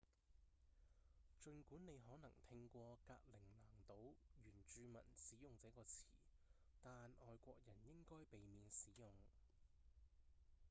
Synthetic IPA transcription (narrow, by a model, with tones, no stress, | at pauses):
t͡ʃɵ˨˧nkuː˨˥nne˨˧jɦɔː˨˥nɐ˨˩ŋt̪ʰɪ˧ŋkʷɔː˧kaː˧k̚lɪ˨˩ŋnaː˨˩ŋt̪o˨˥wjyː˨˩nt͡ʃyː˧mɐ̰˨˩nsiː˨˥jʊ˨ŋt͡sɛː˨˥kɔː˧t͡sʰḭː˨˩ | t̪aː˨nɔː˨jkʷɔː˧k̚jɐ˨˩njɪ˥ŋkɔː˥jpe˨jmiː˨˧nsiː˨˥jʊ˨˩ŋ